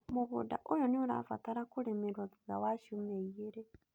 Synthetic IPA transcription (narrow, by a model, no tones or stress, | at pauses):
muβṵda̰ʔojoniuɾa̰fa̰taɾakuɾemeɾwad͡ziɡawaʃumeeɾe